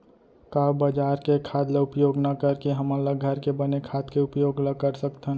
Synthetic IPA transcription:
kabəd͡ʒaːɾkekʰaːd̪leʊpjoːɡnɐkəɾkeɦəmələɡʱəɾkebənekʰad̪keʊpjoːɡləkəɾsəkt̪ɦən

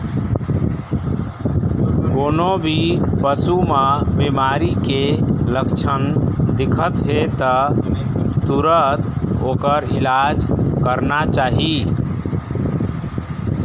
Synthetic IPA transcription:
konobʱipəsuməbemaɾikeləkt͡ʃʰənd̪ikʰət̪ɦet̪ɔ | t̪uɾət̪okəɾilad͡ʒkəɾnat͡ʃaɦi

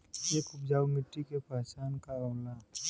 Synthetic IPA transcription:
eːkʊpd͡ʒaːwmɪʈːikepaːt͡ʃaːnkaoːla

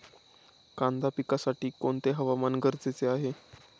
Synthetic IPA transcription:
kand̪apikasaʈiːkoɳt̪eɦəʋamanɡəɾd͡zet͡seaɦe

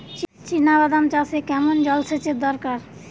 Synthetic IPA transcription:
t͡ɕt͡ɕinaβad̪amt͡ɕasʰekɛmond͡ʑɔlsʰet͡ɕed̪ɔɾkaɾ

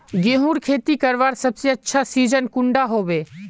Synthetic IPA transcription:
ɡẽːɦuːɾkʰeːt̪ikɐɾʋaːɾsɐbseɐtːʃʰasiːd͡ʒənkʊ̃ɳɖaɦoːbeː

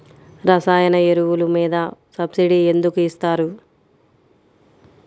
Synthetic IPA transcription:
ɾɐsaːjɐnɐeɾuwulumiːd̪ɐsɐbsiɖie̞nd̪ukuist̪aːɾu

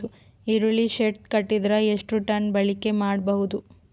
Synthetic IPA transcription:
u | iɾuɭiʃet̪̚kɐʈːid̪ɐɾɐeʂʈuʈɐnbɐɭike̞maːɽbɐɦud̪u

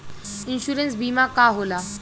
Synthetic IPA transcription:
ɪnɕuːɾens̬biːmakaːɦoːlaː

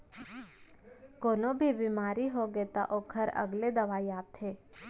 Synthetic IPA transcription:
koːnobʱibiːmaːɾiɦoɡeːt̪a̰ʔoːkʰəɾɐ̰ɡled̪ɐʋaːiaːt̪ɦeː

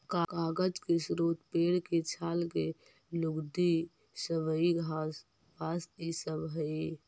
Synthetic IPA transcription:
kakaːɡəd͡ʒkesɾoːt̪peːɽket͡ʃʰaːlke | luɡd̪i | səbəiɡʱa | basisəbɦəi

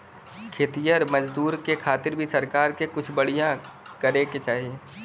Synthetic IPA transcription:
kʰeːt̪ijəɾmɐd͡ʒd̪uːɾkekʰaːt̪ɪɾbʱisɐɾkaːɾkekʊt͡ʃʰbɐɽ̤ijã | kəɾeket͡ʃaːɦieː

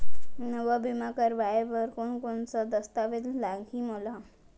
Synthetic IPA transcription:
nəʋəbʱimakəɾʋajʋəɾkoɳkoɳt͡səd̪əst̪aʋet̪laɡiːmola

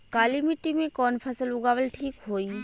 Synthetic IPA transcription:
kaːlimiʈːimẽkɔːnpʰɐsəlʊɡaːʋəlʈʰiːkɦoːiː

